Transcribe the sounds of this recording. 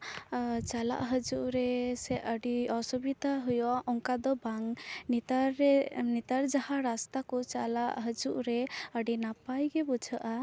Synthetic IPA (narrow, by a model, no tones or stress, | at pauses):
t͡ʃala̰ʔɦəd͡ʒuʔɾɛsɛəɖiɔsɔbid̪aɦujɔɔŋkad̪ɔbaŋnt̪aɾnit̪aɾd͡ʒahaɾast̪akɔt͡ʃalaʔɦəd͡ʒuʔɾɛəɖinapajɡɛbɔd͡ʒʱəʔa